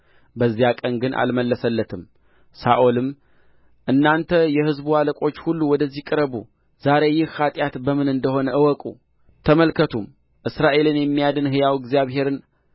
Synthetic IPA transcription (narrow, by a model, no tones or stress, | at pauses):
bəzːijakʼənɡɨnʔa̰lməlːəsəlːət̪ʰɨm | saʔolɨm | ʔɨnːant̪ʰəjɛhɨzbualəkʼo̞t͡ʃːhulːuwɔd̪əzːikʼɨɾəβu | zaɾe̞jːɪhːat̪ʼjat̪bəmɨnɨnd̪əɦo̞nəʔɨwɔkʼṵ | t̪ʰəməlkʰət̪ʰum | ʔɨsɾaʔe̞lɨnjɛmːijad̪ɨnɦɨjawɪɡzijaβɦe̞ɾɨn